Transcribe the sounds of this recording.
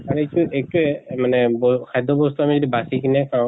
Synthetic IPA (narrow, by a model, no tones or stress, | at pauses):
aɹetuʔek̚tʊɛmanɛbɔkʰajd̪ʱɔbɔst̪uamizodibasikinɛkã